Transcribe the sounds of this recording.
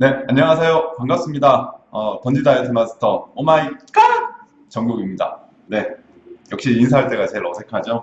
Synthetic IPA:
ne̞aɲɲʌŋasʰejokaŋɡap̚s͈ɯmɲidaʌtʌnd͡ʑidaetʰɯmasʰɯ̥tʰʌomaik͈a | t͡ɕʌŋɡoɡimɲida̰ | ne̞ | jʌkɕ͈iːns̬ʰaɦaɭt͈e̞ɡat͡ɕe̞iɾʌsʰe̞kʰad͡ʑo

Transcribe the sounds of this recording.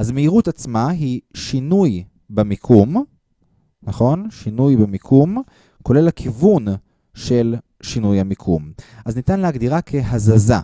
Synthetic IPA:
ʔazmeiʁutat͡smaɦiʃinuj | bemikʰum | naχo̞nʃinujbemikʰum | ko̞le̞lakʰivun | ʃe̞l | ʃinujhamikʰumʔaznitanleaɡd̪iʁakʰe̞ɦazaza̰

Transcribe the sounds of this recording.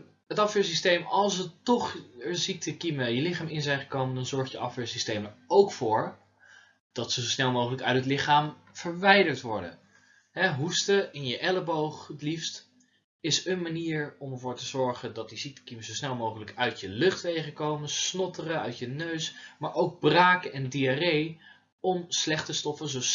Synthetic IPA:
ɦətɑfəːɹsistejmɑlˠsətɔχəɹzik̚təkiməjəlɪχaːmɪnzɛjnχəkowməndɑnzɔɹχjəʔɑfɛːɹsistejmənowkfʊːɹ | d̥ɑtsozosnɛlˠmowχələkœ̰ɥtɦətlɪχaːm | v̥əɹʋɛjdəɹtʋɔɹdə̰n | ɦɛɦustəɪnjəʔɛləbowχətlifst | ɪsənmaniːɹɔməɹvʊːɹtəzɔɹχəndɑt̚disitə̥kiməszowsnɛlˠmowχələkœɥtjəlɵχtʋejχəkowmənsnɔtərəœ̰ɥtjənøɥsmaːɹʔowɡ̚braːkɛndiarej | ɔmslɛχtəstɔfənzo

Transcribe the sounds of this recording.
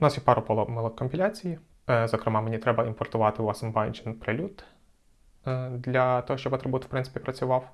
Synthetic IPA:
ʊnasjɛpɑɾʊpɔlˠɔmɐlˠɔkɔmʲpʲilʲat͡sʲiji | zɔkɾɪmɑmenʲit̪ɾɛbɐimpɔrt̪ʊʋɑt̪ɪuɐsɪmbajnd͡ʒɛnpɾelʲut̪ | d̪lʲɐt̪ɔɦɔʃt͡ʃɔbɐt̪ɾebut̪wpɾɪ̃nsɪ̥pʲipɾɐt͡sʲʊʋɑw

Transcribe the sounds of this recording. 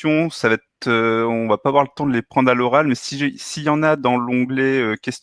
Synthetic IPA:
jɔ̃savaɛt̪øɔ̃vapaːvwaʁlət̪ɑ̃d̪əlepχɑ̃d̪ʁalɔʁalmɛsisijɑ̃nad̪ɑ̃lɔ̃ɡlɛøkʲɛs

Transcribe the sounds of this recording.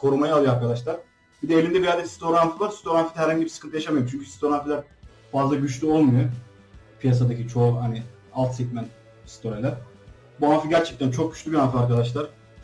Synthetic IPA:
kʰo̞ɾumajalˠɯjoaɾkʰad̪aʃlˠaɾ | bid̪ɛelʲind̪ɛbiɾjald̪ɛcist̪ʰo̞ɾanfɯvaɾsi̥t̪ʰo̞ɾanfid̪ɛæɾhaɲɟibisɨ̥kʰɯnt̪ʰɯjaʃamajoɾmt͡ʃʰyɲcʰysi̥t̪ʰo̞ɾanfilʲæɾ | fazlˠaɟyt͡ʃlʲyo̞lˠmujo | pʰijas̬ad̪acʰit͡ʃʰo̞haniɪ | alˠt̪sɛc̪ʲmæn | st̪ʰo̞ɾilʲæɾ̥ | buanfɯɟæɾt͡ʃʰɛc̚t̪ʰænt͡ʃʰo̞k̚ɟy̥t͡ʃlʲybianfɯaɾkad̪aʃlˠaɾ̥

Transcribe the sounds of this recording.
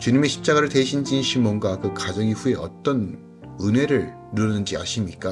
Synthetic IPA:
t͡ɕuɲime̞ɕʰi̥p̚t͡ɕ͈aɡaɾɯɭteɕʰind͡ʑinɕʰimʌnɡakɯkad͡ʑʌŋiɸue̞ʌ̰t͈ʌn | ɯne̞ɾɯɭ | nɯɾʌnɯnd͡ʑia̰ɕʰimɲik͈a

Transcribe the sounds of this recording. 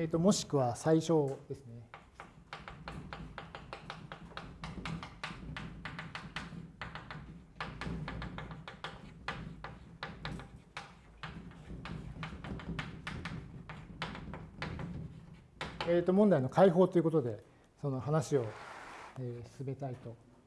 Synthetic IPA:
et̪ːo̞mo̞ɕi̥kɯ̟βasaiɕo̞ːd̪e̞sɨne̞ | eːt̪ːo̞mõnd̪aino̞kʰaiɦo̞ːt̪oiɯ̟ko̞t̪̬od̪e̞ | so̞no̞ɦanaɕio̞ | eːsɨ̥sɨme̞t̪ait̪o̞

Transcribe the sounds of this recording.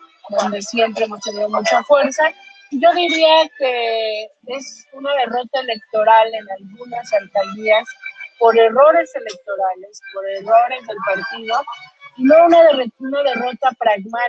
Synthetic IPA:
d̪o̞nd̪e̞sje̞mpɾeemost̪eneomut͡ʃafwe̞ɾsa | iʝo̞ðiɾiake̞ | e̞sunað̞e̞ro̞t̪aele̞k̚t̪o̞ɾale̞nalɣunasalt̪aliaspo̞ɾe̞ro̞ɾe̞se̞lek̚t̪o̞ɾale̞spo̞ɾe̞ro̞ɾezðe̞lpaɾt̪iðo̞ino̞unaðerunaðe̞ro̞t̪apɾaɣma

